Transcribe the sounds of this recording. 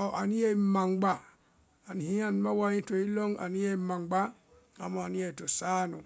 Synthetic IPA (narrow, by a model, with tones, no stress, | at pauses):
ɔ˨ʔa˨ni˦je˦i˦ma˨ŋɡ͡ba˨ | a˨ni˨hĩ˦a˦˨ni˦ma˦wa˦jĩ˦to˨i˦lo˦ŋa̰˨ni˦je˦i˦ma˨ŋɡ͡ba˦ | a˨mo˨a˨ni˦je˦˨i˨to˨sa˦nu˨